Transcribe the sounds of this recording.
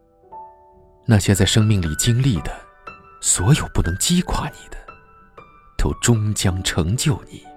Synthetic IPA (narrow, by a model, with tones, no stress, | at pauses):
na˥˩ɕjɛ˥t͡sa˥˩ɪʂɤ˥ŋmi˥˩ŋli˨˩t͡ɕi˥ŋli˥˩d̪ə˩ | swɔ˧˥jo˨˩ʊpu˥˩nɤ˧˥ŋt͡ɕi˥kʰwa˥˩ni˨˩d̪̥ə̥˦ | t̪ʰo˥˩ʊʈ͡ʂʊ˥ŋt͡ɕjɑ˥ŋʈ͡ʂʰɤ˧˥ŋt͡ɕjo˥˩ʊni˨˩˦